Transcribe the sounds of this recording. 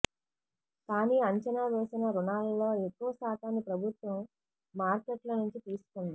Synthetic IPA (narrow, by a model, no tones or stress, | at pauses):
kaːniːɐɲt͡ʃɐnaːʋeːsinɐɾuɳaːllo̞ːekːuʋɐsaːt̪aːnːipɾɐbʱut̪ʋɐmː | aːɾkeʈlɐnuɲt͡ʃit̪iːsu̥kund̪i